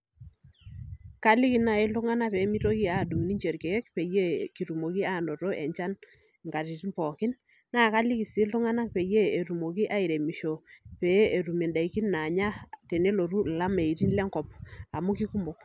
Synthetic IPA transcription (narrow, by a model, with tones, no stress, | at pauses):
ka˦li˦ki˦na˨i˦lʊ˦ŋa˦na˦pɛ˨˦mi˦to˦ki˦a˨du˨ŋ˨ni˦ɲd͡ʒe˨ɾke˨ɛ˦kpe˨je˦ki˨ɾu˨mo˨ki˦a˦˨no˨to˦ʔɛ̰˨ɲt͡ʃa˦n | ŋka˨ɾi˨ti˦mpɔ˨kɪ˦n | na˦˨ka˦li˦ki˨si˦lʊ˦ŋa˦na˦k̚pe˨jeː˦˨ɾu˨mo˨ki˦ʔa˦i˨ɾe˨mi˨ʃo˨pe˨˦e˨ɾu˨me˨nda˨i˨ki˦nna˨ɲa˦te˨ne˦lo˨ɾu˦˨la˦me˨i˨ɾi˦nlɛ˦ŋkɔ˨p̚a˨mu˦ki˦ku˦mo˨k